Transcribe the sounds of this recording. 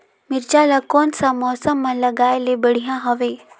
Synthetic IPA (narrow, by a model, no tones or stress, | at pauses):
mɪɾd͡ʒaːlakɔːnsamɔːsəmːãlɐɡaːelebɐɽ̤ijãɦɐʋeː